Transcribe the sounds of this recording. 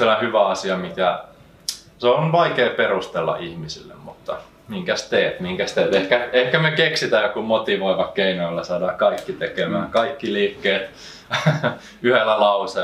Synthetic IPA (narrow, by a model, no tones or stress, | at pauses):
silæhyʋæɑsiɑmikæ | seonʋɑikeːperust̪elːɑ̰ʔihmisḭlːḛmmut̪ːɑ | miŋkæst̪eːt̪miŋkæst̪eːt̪ehkæehkæmekeksit̪æjokumot̪iʋoiʋɑkkeinoilːɑsɑˑdɑːkɑikːit̪ekemæ̰ːkɑikːiliːkːeːt̪ | yhelːælɑuse